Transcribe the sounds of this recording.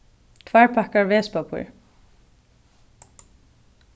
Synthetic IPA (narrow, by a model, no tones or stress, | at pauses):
kʰʋæːɹpʰakaɹʋeːspapʰṵɹ